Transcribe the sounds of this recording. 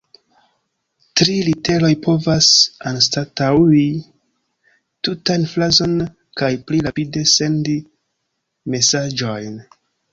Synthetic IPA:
tɾilite̞lo̞jpo̞vasanstatawi | tutanflazo̞n | kajpliɾapide̞se̞ndi | me̞sad͡ʒo̞jn

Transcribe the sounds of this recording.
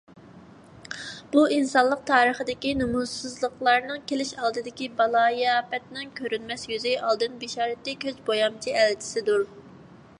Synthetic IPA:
b̥uinsɑnlˠəq̚t̪ʰɑːɾəχəd̪ɪkʲinumusɨzlˠəqlˠɑɾnɨŋkʲelɪʃɑlˠd̪ɨd̪ɪkʲibɑlˠɑːjɑpɛt̪nɪŋkʲʰøɾynmɛsjyzɪʔɑlˠd̪ɨnbeʃɑːɾɛt̪ːɪkʲøzbojɑmt͡ʃʰiælt͡ʃʰɪ̥sɪd̪uɾ

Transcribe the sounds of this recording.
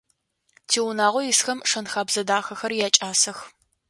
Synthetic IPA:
tʰiːwʊnaːʁʷɔjɪsxɐmʂɐnxaːbzɐdaːxɐxɐrjaːt͡ʃʼaːsɐx

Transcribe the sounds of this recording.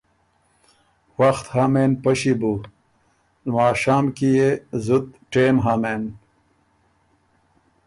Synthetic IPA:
waxt̪haːmeːnpɐɕibu | nmaːɕaːmkijezut̪̚ʈeːmɦamen

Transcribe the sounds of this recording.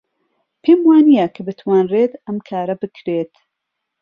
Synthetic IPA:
pʰeːmwaːnijɐkʰɨbɨt̪ʰwaːnreːt̪ɐmkʰaːɾɐbɨkʰɾeːt̪

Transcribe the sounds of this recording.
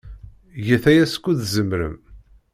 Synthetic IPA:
jəθæjæskʷːuðzəmɾə̰m

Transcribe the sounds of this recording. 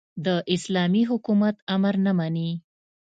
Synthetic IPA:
d̪əʔɪslɑmiɦʊkumat̪amaɾnəmani

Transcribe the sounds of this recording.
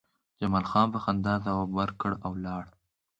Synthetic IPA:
d͡ʒamɑlxɑːnbəxand̪ɑzawɑbwaɾkəɽawlɑɽ

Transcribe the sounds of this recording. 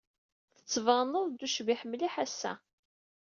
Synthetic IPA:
θə̥t͡sːvɑˤnəðˤd̪uʃviħəmːliħæsːæ̰

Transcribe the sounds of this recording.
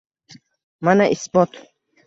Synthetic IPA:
manaʔisbɔt̪

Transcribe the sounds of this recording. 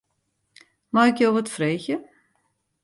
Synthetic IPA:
maɪkjowətfreːçjə

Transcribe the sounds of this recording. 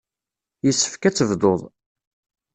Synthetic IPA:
jəsːə̥fkæt͡sːəvd̪oðˤ

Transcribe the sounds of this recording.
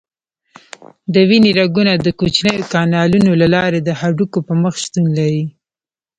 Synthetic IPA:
d̪əwineɾaɡunad̪əkot͡ʃnəjokɑnɑlunolalɑɾed̪əhaɖukopəməxʃt̪unlaɾi

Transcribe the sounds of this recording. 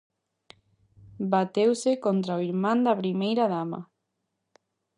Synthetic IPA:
bat̪ewsekont̪ɾaoiɾmãnd̪apɾimejɾaðama̰

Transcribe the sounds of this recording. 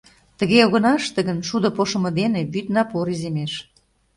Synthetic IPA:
t̪ə̆ɣeoɣə̆nɑʃt̪ə̆ɣənʃud̪ə̆poʃə̆mɤ̆d̪eneβyt̪nɑpoɾizemeʃ

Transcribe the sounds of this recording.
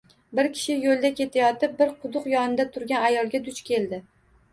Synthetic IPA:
bɪɾkʲʰɪ̥ʃɪjolˠd̪akʲʰe̞t̪ʰajɒt̪ɪp̚bɪɾqʰʊd̪ʊqjɒnɪd̪at̪ʰʊɾɡʲanajɒlˠɡʲad̪ʊt͡ʃkʲʰe̞ld̪ɪ

